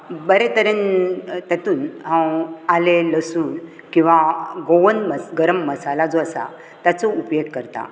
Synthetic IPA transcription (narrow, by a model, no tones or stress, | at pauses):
bəɾet̪əɾent̪jat̪uːnɦãwaleləsuːn | kĩw̃ʋaɡoʋənməɡəɾəmːəsalad͡zoəsa̰ | t̪jat͡sɔupjoɡ̚kəɾt̪a̰